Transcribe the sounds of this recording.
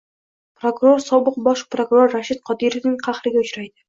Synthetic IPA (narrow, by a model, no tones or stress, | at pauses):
pɾokʊɾo̞ɾsɒbɨqbɒʃpɾokʊɾo̞ɾːaʃɪt̪̚qʰɒd̪iɾevnɪŋqʰɑχɾɪɡʲaʊt͡ʃɾajd̪ɪ